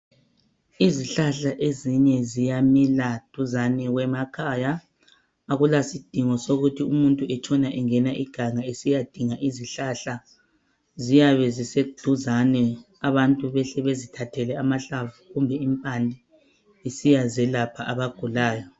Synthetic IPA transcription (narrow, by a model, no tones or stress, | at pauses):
iziɬaɬaʔeziɲɛzijamilad̥ʱuzanɛwɛmakʰaːjaː | ɣulasid̥ʱiŋɔsoɣutʰiumuntʼuɛt͡ʃʰʼɔnaʔɛŋɛnaʔiɡ̥ʱaŋaesijad̥ʱiŋaʔiziɬaɬa | zijaβɛzised̥ʱuzanɛ | aβantʼuβɛɬɛβezitʰatʰɛlɛamaɬavuɣumbʱɛimpʼandʱi | isijazɛlapʰaʔaβaɡ̥ʱulaːjɔ